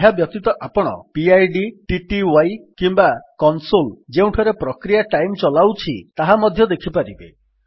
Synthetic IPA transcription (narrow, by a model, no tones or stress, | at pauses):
ɦabjɔk̚t̪it̪ɔʔapɔɽ̃ɔ̰piajɖiʈiʈiwajkimbakɔnsold͡ʒeũʈʰɔɾepɾɔkɾijaʈajmt͡ʃɔlawt͡ʃʰḭt̪aɦamɔd̪ʱjɔd̪ekʰipaɾibḛ